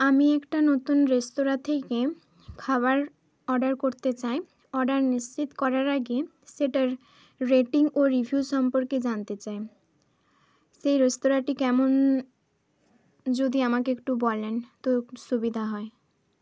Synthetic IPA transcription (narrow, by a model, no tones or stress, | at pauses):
amiɛkʈanot̪unɾest̪oɾat̪ʰeke | kʰaβaɾ | ɔɖaɾkoɾt̪et͡ɕae | ɔɾɖaɾnist͡ɕit̪kɔɾaɾaɡe | seʈaɾ | ɾeʈiŋɡoɾibʱijuʃɔmpoɾked͡ʑant̪et͡ɕae | ʃejɾest̪oɾaʈikɛmon | d͡ʑod̪iamakeekʈubɔlent̪oʃubid̪ʱaɦɔe